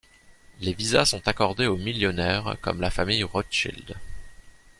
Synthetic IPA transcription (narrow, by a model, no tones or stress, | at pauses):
levizasɔ̃t̪akɔʁd̪eomiljɔnɛːʁkɔ̰mlafamijʁɔt͡ʃḭld̪